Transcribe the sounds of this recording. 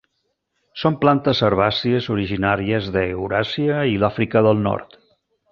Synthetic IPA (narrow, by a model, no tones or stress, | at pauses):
somplant̪əsəɾβasiəzuɾiʒinaɾiəzðəeuɾasiəilafɾikəðəlˠnɔ̰ɾt̪